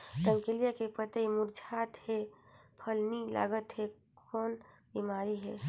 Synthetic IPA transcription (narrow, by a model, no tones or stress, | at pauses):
ɾəmkelijakepət̪emuɾd͡ʒʱat̪hepʰəlnila̰ɡət̪ɦe | kɔːn | bimaːɾiɦɛ̰